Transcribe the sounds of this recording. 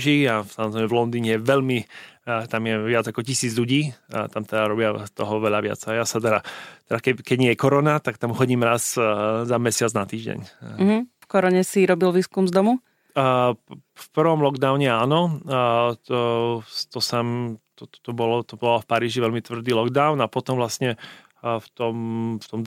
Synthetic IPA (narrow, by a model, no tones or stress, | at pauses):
ʒiasamɔzɾɛɪmɛvlɔnd̪iːɲɛjɛʋɛʎmit̪amjɛʋɪad͡zakɔcisiːd͡zʎuɟiːt̪amt̪ɛd̪aɾɔbɪat̪ɔɦɔʋɛʎaʋɪa̰d͡zajasat̪ɛɾat̪ɛdakɛkɛɟɲɛjɛkɔɾɔnat̪akt̪amxɔɟiːmɾazzamɛsɪad͡znat̪iːʒɟɛ̰ɲ̩ɦ̩fkɔɾɔɲɛsiɾɔbilʋiːskumzd̪ɔmu | fpr̩ʋɔmlɔɡd̪aʊɲɛaːnɔ | t̪ɔsɛmt̪ɔt̪ɔt̪ɔbɔlɔt̪ɔbɔlfpaɾiːʒiʋɛʎmit̪ʋr̩d̪iːlɔɡd̪aʊnapɔt̪ɔmʋlasɲɛ | ft̪ɔmft̪ɔm